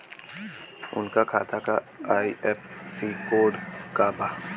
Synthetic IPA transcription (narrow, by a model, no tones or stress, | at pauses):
ʊ̰nkakʰaːt̪ʰaka | aːiʔɛp̚siːkoːɖkaːbaː